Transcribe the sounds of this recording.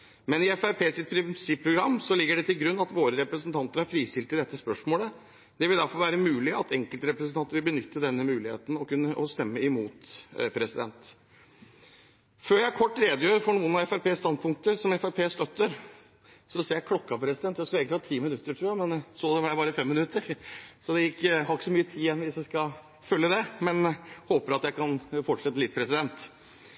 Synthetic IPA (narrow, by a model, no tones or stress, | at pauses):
mɛnɪɛfæɾpʰeːsɪt̪̚pʰɾɪsɪpːʰɾʊɡɾɑmːsɔlɪɡːəɖɛt̪ɪlɡɾʉnːɑt̪ʋoːɾəɾɛpɾəsn̩t̪ʰɑnt̪əɾhæɾfɾiːst̪ɪlt̪əd̪ɛt̪ːəspœʂmoːlə | d̪̥ɛʋɪld̪æɾfɔɾʋæːɾəmʉːlɪɑt̪ʰɛŋkəlt̪ɾɛpɾəsnʰɑnt̪əɾʋɪlbənʏt̪ːəd̪ɛnːəmʉːlɪhḛːt̪n̩ɔkʉnːəʔɔst̪ɛmːəɪmuːt̪pʰɾɛsɪd̪ɛ̰nt̪ | føːɾjæɪkʰɔʈːɾeːd̪əjøːɾfɔɳuːənɑɛfæɾpʰeːst̪ɑnd̪̚pʰʊŋk̚t̪əɾsɔmɛfæɾpʰeːst̪œt̪ːəɾ | sɔseːɾjækʰlɔkːɑpʰɾɛsɪd̪ɛnt̪ːjæɪkʉlɛːɡk̪ɑːt̪ʰiːmɪnʉt̪ːəʈʰɾʉːjæmɛnsod̪ɛbɑbɑːɾəfɛmːɪnʉt̪ːəɾsɔd̪ɛjɪkːəhɑɾɪkːə̥sɔmyːət̪ʰiːjɛnːʋɪsjæɪskɑ | fœlːəd̪ɛmɛnhoːpəɾɑt̪jæɪkʰɑnfɔʈʂɛt̪ːəlɪt̪̚ːpʰɾɛsɪd̪ɛnt̪